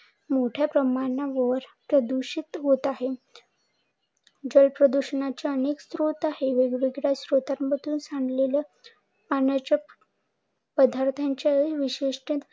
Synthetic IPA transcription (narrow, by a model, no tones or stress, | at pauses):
moʈʰjapɾəmanaʋəɾpɾəd̪uɕit̪ɦot̪aɦe | d͡ʑəlpɾəd̪uɕənat͡ɕaənekst̪ɾut̪aɦeʋeɡɽiɡɽjaɕɾot̪anmət̪uːnsaɳɖlela | panat͡ɕa | pəd̪ʱaɾt̪ʰãɲt͡ɕaʋiɕeʂʈĩt̪